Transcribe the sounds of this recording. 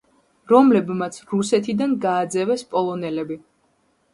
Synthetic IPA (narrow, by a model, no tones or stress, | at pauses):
ɾɔmlɛbmat̪sʰɾusɛt̪ʰid̪anɡaːd̪zɛvɛspʼɔlˠɔnɛlɛbi